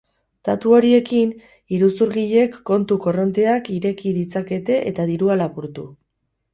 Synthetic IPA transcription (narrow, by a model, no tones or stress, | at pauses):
t̪at̪uo̞ɾie̞kin | iɾusuɾɣiʎe̞kːo̞nt̪uko̞ro̞nt̪e̞akiɾe̞kiðit͡sake̞t̪e̞ʔet̪aðiɾualapuɾt̪ṵ